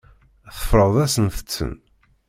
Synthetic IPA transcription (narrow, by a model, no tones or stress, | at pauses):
θə̥fɾˤəðˤæsənθə̥t͡sːə̰n